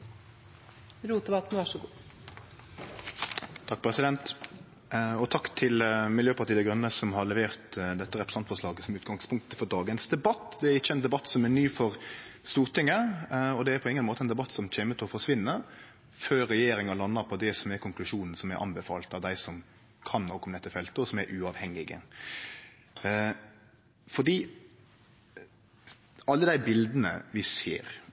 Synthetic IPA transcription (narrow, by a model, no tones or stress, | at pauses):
ɾuːt̪d̪əbɑt̪n̩ʋæʂɔɡuː | t̪ʰɑk̚ːpʰɾɛsɪd̪ɛnt̪ | ɔt̪ʰɑkt̪ʰɪlmɪljøːpɑʁt̪iːəɡɾʉnːəsɔmɦɑʁlɛʋeːʁt̪d̪ɛt̪ːəɾɛpɾəsɑnt̪fɔʁʂɭɑːɡəsɔmʉːt̪ɡɑŋspʰʊŋk̚t̪əfɔɾd̪ɑːɡənsd̪ɛbɑt̪ːd̪ɛæɾɪçːəɛnd̪ɛbɑt̪ːsɔmɛnyːfɔʁst̪uːʁt̪ʰɪŋːəɔd̪ɛæɾpʰɔɪŋːənmoːt̪əɛnd̪ɛbɑt̪ːsɔmc͡çeːmət̪ʰɛɔfɔʂʋɪnːəɾ | føːɾɾɛjeːɾɪŋɑlɑnːəɾpʰɔd̪ɛsɔmɛɾkʰʊŋklʉʂuːnn̩sɔmæɾʔɑ̰nbɛfɑ̰ːlt̪ɑʋd̪æɪsɔm | kʰɑnːɔkʰːɔmnɛt̪ːəfɛlt̪əɔsɔmæɾʔʉɑʋhɛŋːɪɡə̰ | fɔd̪iː | ɑlːəd̪æɪbɪld̪ənə̰ʋɪsḛːɾ